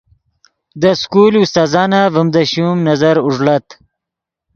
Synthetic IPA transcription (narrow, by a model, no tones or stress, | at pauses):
d̪əskulust̪aːzɑːnavəmd̪əɕumnɐzaɾuʐlat̪